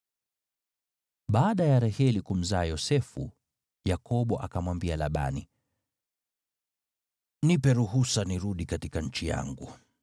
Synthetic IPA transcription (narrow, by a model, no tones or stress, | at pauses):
ɓaːɗajaɾɛhɛlikum̩zaːjɔsɛfṵ | jakɔɓɔʔakamwambialaɓa̰nḭ | nipɛɾuɦusaniɾuɗikatikaɲ̩t͡ʃija̰ŋɡu